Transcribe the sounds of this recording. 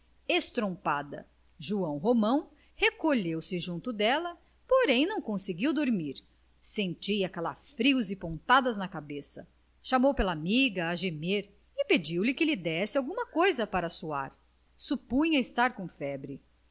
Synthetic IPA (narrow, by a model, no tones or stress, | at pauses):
est̪ɾõpad̪ɐ̰ | ʒuɐ̃w̃ɦomɐ̃w̃ | hekoʎewsɪʒũnt̪ʊd̪ɛlɐ | poɾẽj̃nɐ̃w̃kõsɪɡiwd̪oɾmiɾ | sẽnt͡ʃiɐkalafɾiwzɪpõnt̪ad̪ɐznɐkabesɐ̰ | ʃamowpelɐamiɡɐːʒemeɾ | ɪped͡ʒiwlɪkɪlid̪ɛsɪawɡũmɐkojzɐpaɾɐsua̰ɾ | supũɲɐɪst̪aɾkõfɛbɾɪ